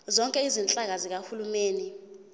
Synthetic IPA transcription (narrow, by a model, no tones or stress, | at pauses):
zɔŋkʼɛizint͡ɬʼak̬azik̬ahulumeːni